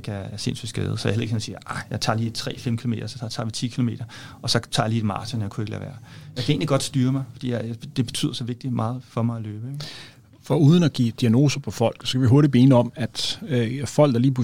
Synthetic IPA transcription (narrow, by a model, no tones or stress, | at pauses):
ɡ̥æɐæɐse̝nsy̰d̥sɡ̥ḛːð̞̩ˠsɒja̰hel̰ðˠeɡhensḭːɐɑ̈ɪjɑ̈ɪt͡sʰɑ̈liːt͡sʰʁɛ̰ːfem̰kʰilo̝me̝ːdɐsɒ̽t͡sʰɑ̈ːʋit͡sʰḭːkʰilo̝me̝̰ːd̥ɐ | ɒ̽sɒ̽t͡sʰɑ̈jliːd̥mɑ̰̈ːsʰənjakʰue̝ɡəlæ̰ːʋæ̰ːɐjɑɪkʰæe̝̰nliɡ̥ɒ̽d̥sd̥yːɐmɑ̈ɪfɒ̽d̥ḭːjjd̥e̝b̥e̝̥t͡sʰy̰ð̰ˠɐsɒ̽ʋe̝ɡ̥̚d̥imɑ̈ːð̩ˠfɒ̽mɑ̈ɪæløːb̥əeɡ | fɒuːð̞ˠən̩æɡ̥ḭːd̥iæno̝̰ːsɐpʰɒ̽fɒ̽l̰ɡ̥sɒkʰæʋiɦo̝ɐɾ̥ib̥enəɒ̽mæd̥ | fɒ̽l̰ɡ̥ɑɐliːpʰu